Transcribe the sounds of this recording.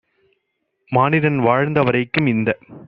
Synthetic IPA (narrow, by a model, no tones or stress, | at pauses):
maːnɪɾɐnʋaːɻnd̪ɐʋɐɾɐɪkːɯmɪnd̪ɐ